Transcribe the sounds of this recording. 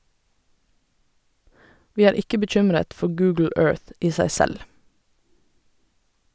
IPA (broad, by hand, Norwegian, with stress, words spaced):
ˈʋiː ˈæːɹ ˈɪkə bəˈc͡çʏmɾət ˈfɔ ˈɡʉːɡl̩ ˈøːɹθ ˈiː ˈsæɪ ˈsɛl